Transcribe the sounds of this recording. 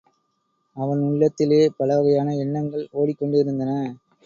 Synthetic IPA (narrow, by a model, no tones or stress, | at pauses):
ɐʋɐnʊɭːɐt̪ːɪleːpɐɭɐʋɐɣɐjaːnɐɛɳːɐŋɡɐɭoːɽɪkːɔɳɖɪɾɯnd̪ɐnɐ